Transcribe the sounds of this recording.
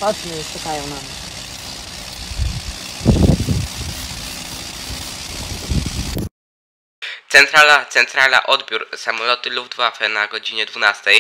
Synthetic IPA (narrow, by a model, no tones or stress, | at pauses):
ɔt͡ʃnɛʃukajɔ̃w̃nam | tt̪sɛnt̪ɾalat̪sɛnt̪ɾala̰ʔɔd̪bʲjuɾsamɔlɔt̪ɘlubd̪vafɛnaɡɔd͡ʑiɲɛd̪vunast̪ɛj